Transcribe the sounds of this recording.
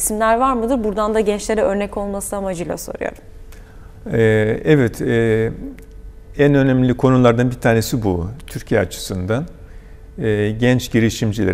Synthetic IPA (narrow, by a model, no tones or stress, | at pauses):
simlʲæɾvaɾmɯd̪ɯɾbuɾd̪and̪aɟɛnt͡ʃlʲe̞ɾɛø̞ɾnɛcʰo̞lˠmasɯamad͡ʒɯjlˠa̰so̞̰ɾṵjo̰ɾ | ɛːɛvɛt̪ʰɛː | ænø̞næmlʲikʰo̞nulˠaɾd̪anbit̪ʰaːne̞sibut̪ʰyɾcʰijɛat͡ʃʰɯ̥sɯnd̪an | ɛːɟɛnt͡ʃɟiɾiʃimd͡ʒilʲḛ